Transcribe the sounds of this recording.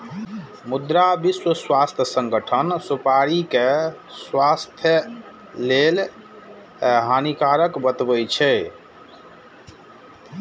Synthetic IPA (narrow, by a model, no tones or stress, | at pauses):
mud̪ɾabiswəswast̪ʰjəsəŋɡəʈʰənsupaɾike | swast̪ʰjə | lel | ɦanikaɾəkbət̪bəjt͡ʃʰɛ